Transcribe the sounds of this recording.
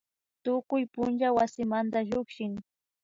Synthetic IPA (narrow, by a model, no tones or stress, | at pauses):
t̪ʊkʊjpʊnt͡ʃawasɪmant̪aʎʊkʃɪŋ